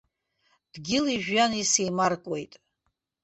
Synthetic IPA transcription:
d̥ɡʲɪliʒᶣjanisejmarkʼwe̞jtʼ

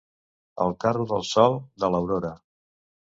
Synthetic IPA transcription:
ə̰lˠkaruðəlˠsɔlˠd̪ələwɾoɾə

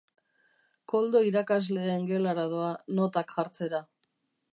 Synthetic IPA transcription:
ko̞ld̪o̞iɾakazle̞ːŋɡe̞olaɾað̞oano̞t̪akxaɾt͡se̞ɾa

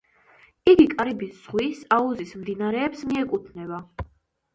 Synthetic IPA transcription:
iɡikʼaɾibisz̥ʁwisauzismd̪inaɾɛːpsmiɛkʼut̪ʰnɛba

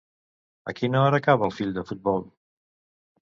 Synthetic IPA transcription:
ə̰kinəɔɾəːkaβəlˠfiʎd̪əfut̪̚bɔlˠ

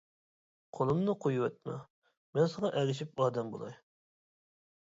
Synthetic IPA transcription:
qʰolˠɨmnɨqʰojuwɛt̪̚mɛ̰ | mɛnsɨŋɑʔɛɡʲɪʃ̬ip̚ɑːd̪ɛmbo̰lˠɑ̰j

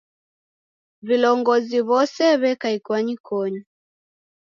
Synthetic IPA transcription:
vilɔŋɡɔziβɔsɛβɛkaikwaɲikʰɔɲa

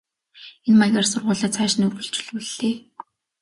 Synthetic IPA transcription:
enmaɣʲarsʊrʁʊːɮaːt͡sʰæːʃɪ̆nɵrɣɵ̆ɬt͡ɕɵ̥ɮuɮːeː

